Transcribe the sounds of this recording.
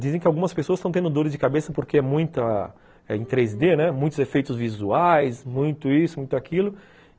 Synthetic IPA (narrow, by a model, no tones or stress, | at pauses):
d͡ʒizẽkɪawɡũmɐspesoɐst̪ɐ̃w̃t̪ẽnd̪ʊd̪oɾɪzd͡ʒɪkabesɐpoɾkeɛmũj̃t̪ɐ | ɛẽt̪ɾejzd̪enɛmũj̃t̪ʊzefejt̪ʊzvizuajsmũj̃t̪ʊisʊmũj̃t̪ʊakilʊ